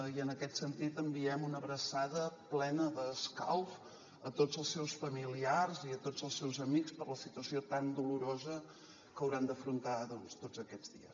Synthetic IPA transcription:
iənəkɛt̪sənt̪it̪əmbiɛmunəβɾəsaðəplɛnəðəska̰lf | ət̪od͡zəlˠsɛwsfəmiliarziət̪od͡zəlˠsɛwzəmikspəɾləsit̪uəsiot̪and̪uluɾozə | kəwɾand̪əfɾunt̪aðɔnst̪ozəkɛdd͡zðḭə̰s

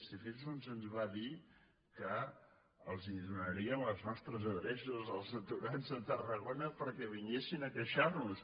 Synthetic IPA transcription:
sifizunzənzβaði | kə | əlˠziðunəɾiənləznɔst̪ɾəzəðɾɛʃuzəlˠzət̪uɾanzðət̪ərəɣonəpəɾkɛβ̞iɲesinəkəʃarnus

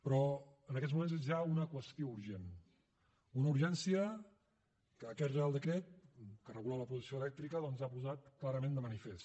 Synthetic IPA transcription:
pɾɔənəkɛt̪zmumẽnzezʒaunəkwəst̪jiouɾʒen | unəuɾʒɛnsiə | kəːkɛt̪realˠd̪əkɾɛt̪̚kərəɣulaləpɾuzisioəlɛk̚t̪ɾikəðɔnzapuzat̪klaɾəmẽnd̪əmənifes

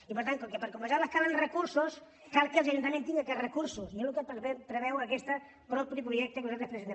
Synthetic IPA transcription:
ipəɾt̪aŋkokepəɾkuməʒaləskalənrəkuɾsus | kalˠkəlˠz̬ɐʒunt̪əmẽnt̪iŋɡəkɛdrəkuɾsusnelukepɛpɾəβɛwɐkɛst̪ə | pɾɔpɾipɾuʒɛk̚t̪əekuzalt̪ɾespɾezent̪

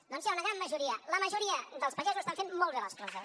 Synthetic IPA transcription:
d̪ɔnsjaunəɣɾanːəʒuɾiələməʒuɾiəd̪əlˠspəʒezuəst̪aɱfemmːɔlˠrələsk̪ɾonzə

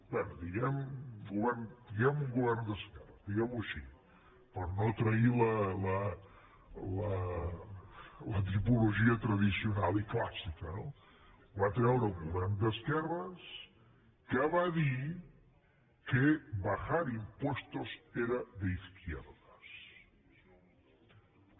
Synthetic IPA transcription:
bwɛnud̪iɣɛmɡuβɛɾnd̪iɣɛmuŋɡuβɛɾnd̪əskɛrɐzd̪iɣɛmuəʃi | pəɾnot̪ɾɐilələ | lə | lət̪ɾipuluʒiət̪ɾɐðisiunaliklasikəno | βat̪ɾɛwɾəuŋɡuβɛɾnd̪əskɛrɐs | kaβaði | kebaxaɾimpwɔst̪ozeɾɐðəiskjɛ̰ɾðəs

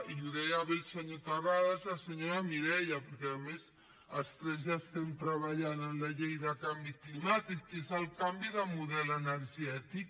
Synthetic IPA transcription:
iuðɛjaβilsəɲot̪araðazaseɲoɾamiɾɛʎapəɾkɛaðəmes | ast̪ɾɛzʒast̪ɛnt̪ɾaβaʎanənlaʎejðakambiklimat̪ikːezalkambiðəmuðɛlənəɾʒɛt̪ik

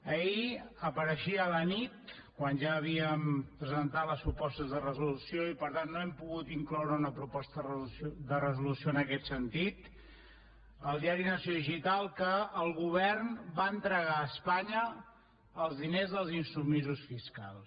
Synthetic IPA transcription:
əiəpəɾəʃiələnit̪̚ | kwanʒaːβ̞iəmpɾəzənt̪at̪ləspɾupɔst̪əzðərəzulusioipəɾt̪anːoɛmpuɣut̪iŋklɔwɾəunəpɾupɔst̪ərusod̪ərəzulusioənəkɛt̪sənt̪it̪ | əlˠd̪iaɾinəsjoðiʒit̪alˠkəːlˠɣuβ̞ɛrnbaənt̪ɾəɣaəspaɲəː | lˠzðinezðəlˠzinsumizusfiska̰lˠs

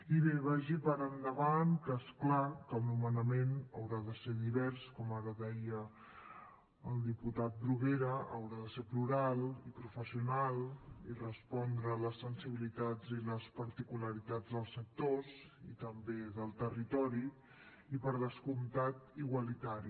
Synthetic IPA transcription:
iβeβəʒipəɾənd̪əβankəesklakəlˠnumənəmenəwɾaðəseðiβɛɾskɔmaɾəðɛjə | əlˠd̪iput̪at̪̚bɾuɣeɾəə̰wɾaðəsepluɾalˠipɾufəsiunalˠirəspɔnd̪ɾələsənsiβilit̪ad͡ziləspəɾt̪ikuləɾit̪ad͡zd̪əlˠsək̚t̪os | it̪əmbeðəlˠt̪ərit̪ɔɾi | ipəɾðəskumt̪at̪iɣwəlit̪aɾi

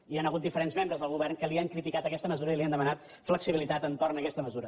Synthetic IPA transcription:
ianəɣut̪̚d̪ifəɾenzmembɾəzðəlˠɣuβɛrŋkəliəŋkɾit̪ikat̪əkɛst̪əməzuɾəiliənd̪əmənat̪ | fləksiβilit̪at̪ənt̪ornəkɛst̪əməzuɾə

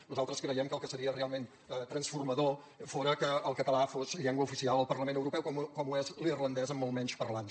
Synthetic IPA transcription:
nuzalˠt̪ɾəskɾəjɛmkəlˠkəsəɾiərealˠmen | ət̪ɾənsfurməðo | foɾəkəːlˠkət̪əlafozʎɛŋɡwəufisialˠəlˠpərləmenəwɾupɛwkɔmkɔmuezlirlənd̪ɛzəmːolˠmɛɲt͡ʃpərlan

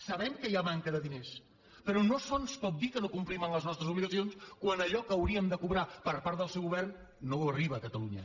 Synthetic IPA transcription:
səβɛmkəjamaŋkəðəðines | pəɾɔnosonspɔt̪̚d̪ikənokumplimənləznɔst̪ɾəzuβliɣəsionskwanəʎɔkəəːwɾiəmd̪əkuβɾapəɾpaɾt̪ðəlˠsɛwɣuβɛrnː | oəriβəːkət̪əluɲə̰

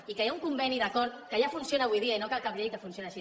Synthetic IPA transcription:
ikəjauŋkumbɛniðakɔɾt̪kəjafunsionaβujðiainokalˠkaβʎeʎkəfunsionaʃi

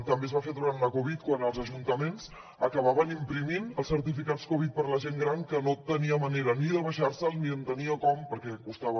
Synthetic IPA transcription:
t̪əmbezβafeðuɾanləkoβ̞it̪̚kwanəlˠzəʒunt̪əmenz | əkəβaβənimpɾiminəlˠsəɾt̪ifikat͡skoβit̪̚pəɾləʒeŋɡɾaŋkənot̪əniəməneɾəniðəβəʃaɾsəlˠniənt̪əniəkɔmpəɾkɛkust̪aβə

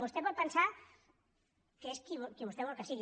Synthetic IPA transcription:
βust̪epɔt̪̚pənsa | kəeskiβkiβust̪eβɔlkəsiɣi

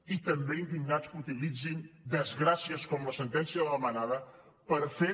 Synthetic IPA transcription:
it̪əmbeind̪iŋnaskut̪ilid͡zind̪əzɣɾasiəskɔmləsənt̪ɛnsiəðələmənaðə | pəɾfe

